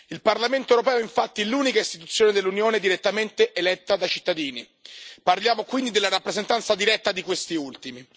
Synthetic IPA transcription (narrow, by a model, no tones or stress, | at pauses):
ilparlament̪oewɾopɛːoiɱfat̪ːiluːnikaist̪i̥t̪ut̪sːjoːned̪elːunjoːned̪iɾet̪ːament̪eʔelɛt̪ːad̪ajt͡ʃit̪ːad̪iːni | parljaːmokwind̪id̪elːaɾapːɾezent̪ant̪sad̪iɾɛt̪ːad̪ikwest̪iult̪imi